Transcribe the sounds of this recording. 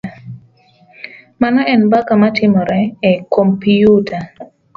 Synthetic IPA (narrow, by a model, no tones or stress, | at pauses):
manaɛnbakamatʰɪmɔɾɛɛkompiutʰa